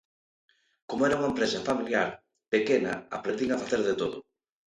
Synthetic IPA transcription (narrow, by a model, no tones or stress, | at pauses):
komoɛɾɐuŋɐempɾesɐfamiljaɾ | pekenɐ̰a̰pɾend̪iŋafaθeɾðet̪oðʊ̰